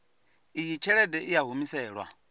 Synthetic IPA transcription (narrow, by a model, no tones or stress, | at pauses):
ijit͡ʃʰɛɺɛdɛʔijaɦumisɛːɺwa̰